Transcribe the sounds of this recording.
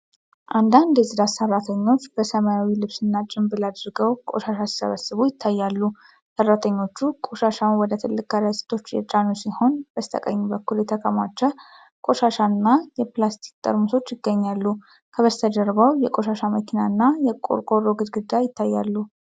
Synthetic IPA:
ʔand̪and̪jɛzɨd̪asərːat̪ʰəɲːo̞t͡ʃːb̥əsəmajawilɨβsɨnːat͡ʃʼɪmbɨlad̪ɾɨɡəwkʼo̞̰ʃaʃasi̥sə̰βəsːɨβujɪt̪ʰːajːalːu | sərːat̪ʰəɲːo̞t͡ʃːukʼoʃaʃanwɔd̪ət̪ʰɨlːɨkʼːaɾəsi̥t̪ʰo̞t͡ʃːjɛ̰t͡ʃʼanusiho̞nb̥əst̪ʰə̰kʼə̰ɲːubəkːuljɛt̪ʰəkʼəmat͡ʃːɛ | kʼo̞ʃaʃanːajɛplast̪ʰi̥kt̪ʼə̰ɾmuso̞t͡ʃːjɪɡːəɲːalːu | kʰəβəst̪ʰəd̪əɾbawjɛkʼo̞ʃaʃaməkʰinanːajɛkʼo̰ɾkʼoɾoɡɨd̪ɡɨd̪ajɪt̪ːajːa̰lːu

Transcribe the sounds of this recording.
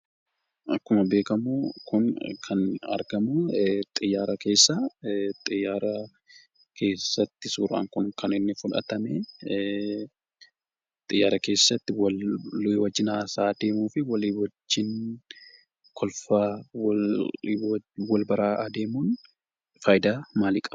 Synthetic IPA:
ʔɐkːʊmɐbe̞ːkɐmuːkʊnkʰɐnɐ̰ɾɡɐmut̪ʼɪjːaːɾɐke̞ːsːat̪ʼɪjːaːɾɐ | kʰe̞ːsːɐt̪ːɪsuːɾa̰ːŋkʊŋkʰɐnɪnːɪfʊlɐ̰t̪ɐmɛ | t̪ʼɪjːaːɾɐke̞ːsːɐt̪ːɪw | wɐd͡ʒːɪnasaːd̪e̞ːmuːfɪwɐlɪwɐd͡ʒːɪn | kʰɔlfaːw | wɐlbɐɾaːd̪e̞ːmuːn | faːjd̪aːmaːliːkʼɐ̥b

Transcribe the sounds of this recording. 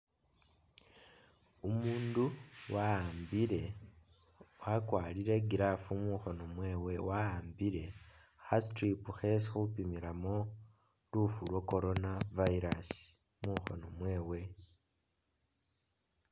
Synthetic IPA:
umuːnduwaaːmbiɾe̞ | wakwaːliɾe̞ɡiɾafumuxono̞mwe̞ːwe̞wahaːmbiɾe̞ | xastɾipuxesixupimiɾamo̞ | lufulwoko̞ɾo̞navaiɾasi̥ | muxo̞̰no̞mwe̞ːwe̞

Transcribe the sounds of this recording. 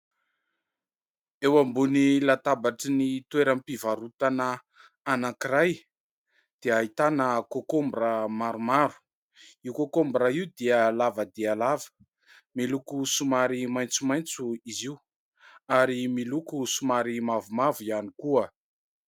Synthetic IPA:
ewambunilat̪abaʈ͡ʂinit̪weɾampivaɾut̪anə | anakiɾaj | d̪̥eaɦit̪anəkokombramaɾumaɾu̥ | iwkokombɾaiwd̪iəlavəd̪ealavə̥ | milukusumaɾimajnt͡sumajnt͡suiziu | aɾimilukusumaɾimavumavianikuə

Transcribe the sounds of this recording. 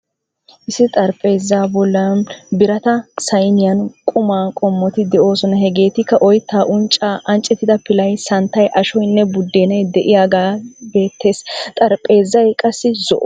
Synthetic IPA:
ʔɪsːɪt̪ʼɐɾpʼe̞ːzːaːbɔlːɐnbɪɾɐt̪ɐsɐjnɪjɐnkʼʊmaːkʼɔmːɔt̪ɪd̪ɛʔo̞ːsɔnɐɦɛɡe̞ːt̪ɪkːɐʔɔjt̪ːaːʔʊnt͡ʃʼːaːʔɐnt͡ʃʼːɛt̪ːɪd̪ɐpɪlɐjsɐnt̪ːɐjʔɐʃɔjnːɛbʊd̪ːeːnɐjd̪ɛʔɪjaːɡaːbe̞ːt̪ʰːe̞ːst̪ʼɐɾpʼe̞ːzːɐjkʼɐsːɪzɔ̰ʔ

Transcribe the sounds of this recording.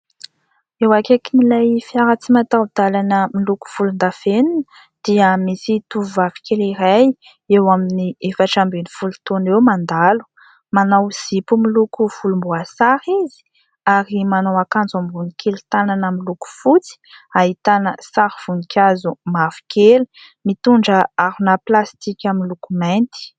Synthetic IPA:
ewakekinilajfiaɾat͡simat̪awud̪̥alanəmiluku̥fulund̪aveninə̥ | d̪̥iəmisit̪uvuvavi̥kʲeliɾaj | ewaminiefaʈ͡ʂambenifulut̪onewmand̪alu̥ | manawz̥ipumilukuvulumbuasaɾizi̥ | aɾimanawakand͡zamvunikʰelt̪ananamiluku̥fut͡si̥aɦit̪anəsaɾv̥unikʰʲazumavi̥kʲeli | mit̪uɳɖ͡ʐəaɾunaplast̪ikʲaminlukumɛnt̪i̥

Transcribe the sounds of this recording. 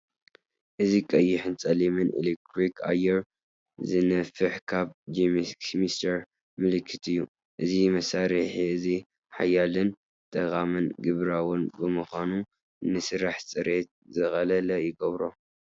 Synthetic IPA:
ʔɨzikʼɐjːɪħɨnt͡sʼɐlimɨnʔḛlek̚t̪ʰɾikʰa̰jɛɾ | zɨnɐfɨħkʰaβd͡ʒimmist̪ʰɐɾ | mɨlɨkʰːɨt̪ʰɨjːu | ʔɨzimɐsaɾɨħiɨzi | ħa̰jalɨn | t̪ʼɐkʼamɨnɡɨβɾawʊnbɨmɨxʷanu | ɨnːɨsɨɾaħsʼɨɾʔet̪̚zɨxɐlɐlɐjɪɡɐβɾo

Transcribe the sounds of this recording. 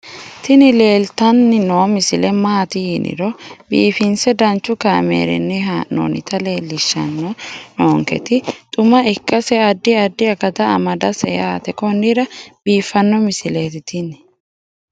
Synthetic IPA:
t̪ɪnɪle̞ːlt̪ɐnːɪnoːmɪsɪlɛmaːt̪ɪhinʔɪ̰ɾɔbḭːfɪnsɛd̪ɐnt͡ʃːʊkaːmḛːɾɛ̰nːɪɦano̰ːnɪt̪ɐle̞ːlːɪʃːɐ̰nːɔnoːŋkɛ̰t̪ɪt̪ʼʊmɐɪkːɐsɛɐd̪ːɪɐd̪ːɪɐkɐt̪ɐɐ̰mɐd̪ɐsɛjat̪ɛkɔnːiɾɐb̥iːfːɐnːɔmɪsɪleːt̪ɪt̪ɪnɪ̥

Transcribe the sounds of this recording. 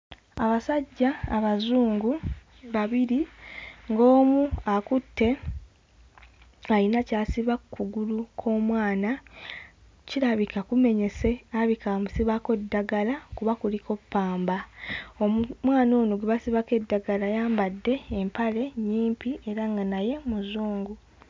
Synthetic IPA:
aβasaɟːaːβazuːŋɡu | βaβiɾiŋɡo̞ːmuakutːe̞ | aɾinacaːsiβakʰːuɡulukʰo̞ːmwaːna | ciɾaβikakume̞ɲe̞se̞aβikamusiβako̞dːaɡalakuβakuliko̞pːaːmbaomumwaːnoːnoɡeβasiβake̞dːaɡalajaːmbadːe̞ːmpale̞ɲiːmpiʔe̞ɾaŋɡanaje̞muzuːŋɡu

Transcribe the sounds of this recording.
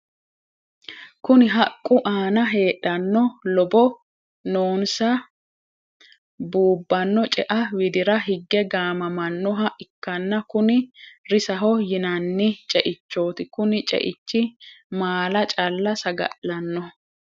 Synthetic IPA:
kʊnɪɦɐkʼːʊʔaːnɐɦe̞ːɗːɐnːɔlɔbɔ | noːnsɐ | buːbːɐnːɔt͡ʃʼɛʔɐwɪd̪ɪɾɐɦɪɡːɛɡaːmɐmɐnːɔɦɐʔɪkːɐnːɐkʊnɪɾɪsɐɦɔjɪnɐnːɪt͡ʃʼɛʔɪt͡ʃːo̞ːt̪ɪkʊnɪt͡ʃʼɛ̰ʔɪt͡ʃːɪmaːlɐt͡ʃʼɐlːɐsɐɡɐ̰ʔːɐnːɔ

